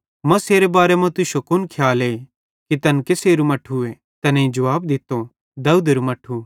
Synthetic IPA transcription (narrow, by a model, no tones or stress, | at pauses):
mɐ̃seːɾebaːɾemɐ̃t̪ʊʃokʊnkʰjaːleː | kit̪ɐnkeseːɾumɐʈʰue | t̪ɐnẽĩd͡ʒɐʋaːb̚d̪ɪt̪o | d̪ɐuːd̪eɾumɐʈʰu